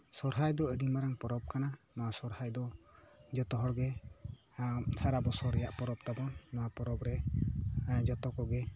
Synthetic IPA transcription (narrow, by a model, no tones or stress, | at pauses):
sɔɾɦajd̪ɔəɖimaɾaŋpɔɾɔp̚kana | maasɔɾhajd̪ɔd͡ʒɔt̪ɔɦɔɽɡɛ | t͡ʃʰaɾabɔsɔɾɛjaʔpɔɾɔp̚t̪abɔnmaapɔɾɔbɾɛ | d͡ʒɔt̪ɔkɔɡɛ